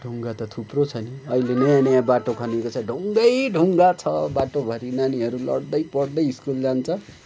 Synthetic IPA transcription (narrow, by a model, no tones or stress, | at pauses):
ɖʱuŋɡat̪ʌt̪ʰuprot͡sʰʌniʌilenʌjanʌjabaʈokʰʌnekot͡sʰʌɖʱuŋɡʌjɖʱuŋɡat͡sʰʌbaʈobʱʌɾinaniɦʌɾulʌ̰ɽd̪ʌjpʌɽd̪ʌjiskuld͡zant͡sʰʌ